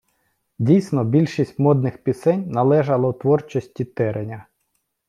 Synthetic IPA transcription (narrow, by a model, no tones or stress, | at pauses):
dʲijsʲnɔbʲilʲʃisʲtʲmɔd̪nɪxpʲisɛnʲnɐlˠɛʒɐlˠɐwt̪ʋɔrt͡ʃɔsʲtʲit̪ɛɾenʲɐ